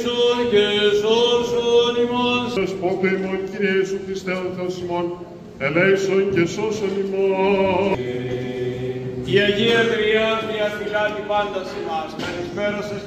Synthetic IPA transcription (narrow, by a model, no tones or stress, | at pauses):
socesosonimonsespond̪oimonciɾieisuxɾist̪eonθeosimon | elejsoncesosonimo | iɐʝiɐvɾiɐðiɐfilɐt̪ipɐnd̪ɐsimɐspɐɾispeɾoses